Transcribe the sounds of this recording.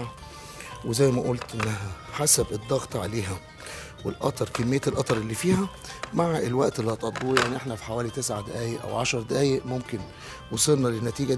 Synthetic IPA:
wezæjːmæʔolt̪ʔenːæɦæħasæbed̪ːɑɣt̪ˤʕa̰leːɦæ | wḛlʔɑ̰t̪ˤɑɾˤkemːejːæelʔɑt̪ˤɑɾˤelːiːfiːhæ | maʕʔelwæʔt̪elːihɑt̪ˤʔɑd̪ˤːuːjaʕniʔeħnæfi̥ħawæːlit̪esʕad̪æʔæːjeʔʔæ̰wʕaʃɑɾˤd̪æʔæːjeʔmomken | wosˤelnɑlenːæt̪iːɡæ

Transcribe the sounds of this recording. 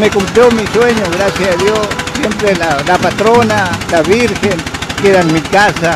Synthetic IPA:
nekomt̪emisweɲoɣɾasjaaðjosːjempɾelalapat̪ɾonalaβiɾxeŋkeðanmikasa

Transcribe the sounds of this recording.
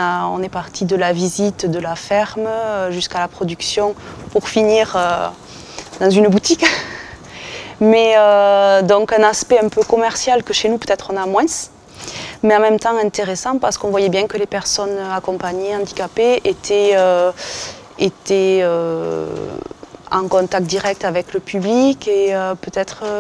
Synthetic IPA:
aɔ̰̃nɛpaʁt̪ʰid̪əlavizit̪d̪əlafɛʁmʒyskalapχɔd̪yksjɔ̃puʁfiniʁø | d̪ɑ̃zynbut̪ik | mɛød̪ɔ̃ŋkɛ̃naspɛɛ̃pøkɔmɛʁsjalkəʃenupøt̪ɛt̪χɔ̃namwɛ̃s | mɛɑ̃mɛmt̪ɑ̃ɛ̃nt̪eʁesɑ̃paʁsə̥kɔ̃vwajɛbjɛ̃kəlepɛʁsɔnøakɔ̃mpaɲeɑ̃d̪ikapeʔet̪ʰɛø | et̪ɛø | ɑ̃kɔ̃t̪ak̚t̪̚d̪iʁɛk̚t̪avɛkləpyblikeøpøt̪ɛt̪χə

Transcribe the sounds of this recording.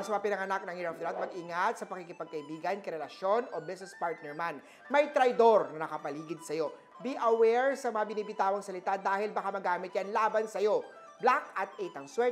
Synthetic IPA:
ɐsmɐpɪnɐŋɐnak̚nɐŋɪɾɐfd̪ɾat̪̚mɐɡʔiŋat̪sɐpɐkikɪpɐɡ̚kɐʔɪbiːɡɐnkɐɾɛlɐʃjo̞nobɪsnɛspaɹt̪̚nɛɹman | mɐjt̪ɾɐjd̪o̞ɾnɐnɐkɐpɐliːɡɪd̪̚sɐjo̞ | biʔɐwɛɹsɐmɐŋabɪniːbɪt̪aːwɐŋsɐlɪt̪ad̪aːhɪlbɐkamɐɡaːmɪt̪̚janlaːbɐnsɐjo̞ | blakʔɐt̪̚ʔɛt̪ɐŋswɛ

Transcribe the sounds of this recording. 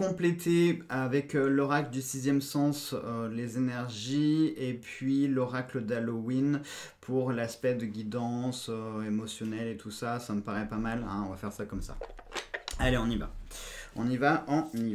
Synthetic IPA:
kɔ̃plet̪ʰeavɛklɔʁakləd̪ysizjɛmsɑ̃sølezenɛʁʒiepɥilɔʁakləd̪alowin | pʰuʁlaspɛd̪əɡʲid̪ɑ̃søemɔsjɔnɛlet̪ʰusasaməpaʁɛpamalɛ̰̃ɔ̃vafɛʁsakɔmsa̰ | aleɔ̃niva̰ɔ̃nivaʔɑ̃ni

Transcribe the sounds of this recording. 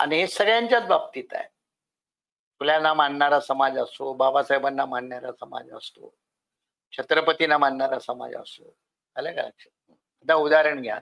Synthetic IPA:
a̰ɽiɦesəɡɭjaɲt͡ɕjat͡sbab̚t̪iːt̪a̰j | fuljanamaɳɳaɾasəmad͡zəst̪obabasajbanːamaɳɳaɾasəma̰d͡zə̰st̪o̰ | kɕət̪ɾəpət̪inamaɳːɳaɾasəma̰d͡zə̰st̪o̰ | alaɡəla̰kɕə | əd̪aud̪aɾəɳɡʱja̰t̪

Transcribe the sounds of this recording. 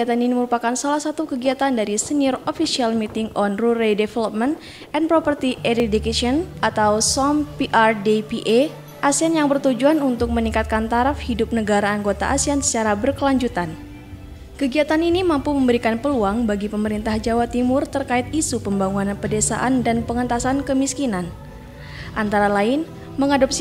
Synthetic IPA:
iat̪aniniməɾupakansalahsat̪ukəɡiat̪andaɾisəniɔrofisialmit̪ɪŋɔnruɾedefɛlɔp̚mɛnt̪ | ɛnpɾopərt̪iʔɛɾidikeʃɔnʔat̪awsɔmpiʔardepiʔe | ʔasianjaŋbərt̪ud͡ʒuanunt̪ʊk̚məniŋkat̪̚kant̪aɾafhidʊp̚nəɡaɾaːŋɡot̪a̰ʔasiansə̥t͡ʃaɾabərkəlaɲd͡ʒut̪an | kəɡiat̪aninimampuməmbəɾikanpəluaŋbaɡipəməɾint̪ahd͡ʒawat̪imʊrt̪ərkaɪt̪̚isupəmbaŋunanpədesa̰ʔandanpəŋət̪asankəmiskinan | ʔant̪aɾalaɪn | məŋadɔps

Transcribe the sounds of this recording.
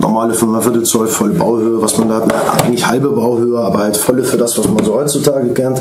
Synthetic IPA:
nʔɔ̰ʁmaːləfyːɐmanfɪɐtət͡sɔɪfɔləba̰ʊhøːəvasmandaːhatnəʔa̰ɪɡŋ̩tlɪçhalbəbaʊhøːəaːbɐhaltfɔləfyːɐdasv̥asmanzoːhɔʏtt͡sutʰaːɡəkʰɛnt

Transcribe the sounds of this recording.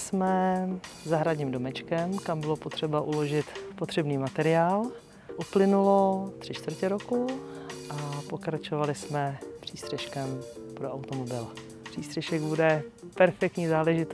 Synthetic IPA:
smɛzaɦɾadɲiːmdomɛt͡ʃkɛmkambɪlopot̪r̝̥ɛbaʔulo̞ʒɪt̪pot̪r̝̥ɛbniːmat̪ɛɾɪaːl | ʔuplɪnulot̪r̥ɪt͡ʃt̪vr̩cɛɾokuʔapo̞kɾat͡ʃovalɪsmɛpr̝̥iːst̪r̥ɛʃkɛmpɾoawt̪omobɪl | pr̥iːst̪r̥ɛʃɛɡbudɛpɛɾfɛk̚t̪ɲizaːlɛʒɪt̪

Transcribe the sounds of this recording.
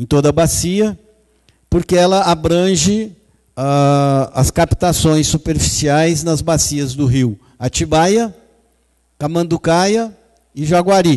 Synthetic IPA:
ẽt̪od̪ɐbasiɐ | poɾkeɛlɐabɾɐ̃ʒɪ | aɐskapi̥t̪asõj̃sːupeɾfi̥siajznɐzbasiɐzd̪ʊɦiw | at͡ʃibajɐ | kamɐ̃nd̪ukajɐ | ɪʒaɡwaɾi

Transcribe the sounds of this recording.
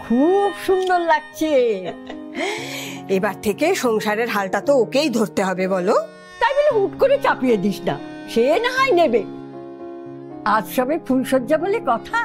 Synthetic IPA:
kʰubʃund̪oɾlaɡ̚t͡ɕʰe | ebaɾt̪ʰekeʃɔŋʃaɾeɾɦalʈat̪ookejd̪ʱoɾt̪eɦɔbebɔlo | t̪ajboleɦuʈkoɾet͡ɕapijed̪iʃna̰ | ʃenaajnebe | ad͡ʑʃɔbefʰulʃodːabolekɔt̪ʰa

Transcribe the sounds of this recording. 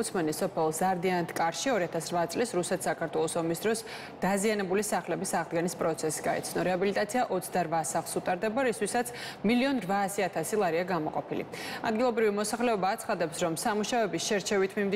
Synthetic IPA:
t̪sʰmɛnisɔpʰɛlˠzaɾd̪iant̪ʰkʼaɾʃiɔɾiat̪ʰasɾvat̪sʼlisɾusɛt̪ʰsakʰaɾt̪ʰwɛlˠɔsɔmisd̪ɾɔs | d̪̥azianɛbulisaχlɛbisaʁd̪ɡɛnispʼɾɔt̪sʰɛsi̥ɡaɛ̰t̪sʰnɔɾɛabilit̪ʼat̪sʰiaʔɔt̪sʰd̪aɾvasaχlˠsut̪ʼaɾd̪ɛbaɾist̪ʰwisat̪sʰ | miliɔnɾvaːsiat̪ʰasilˠaɾiaɡamɔqʼɔpʰilḭad̪̚ɡilˠɔbɾivimɔsaχlɛɔbaːt̪sʰχad̪ɛpsɾɔmsamuʃavɛbisʃɛɾt͡ʃʰɛvit̪ʰmimd̪

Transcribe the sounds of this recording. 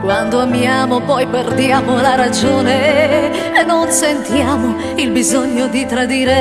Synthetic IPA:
kwand̪oamjaːmopɔjperd̪jaːmolaɾad͡ʒoːne | enːonsent̪jaːmo | ilbizoɲːod̪it̪ɾad̪iːɾe

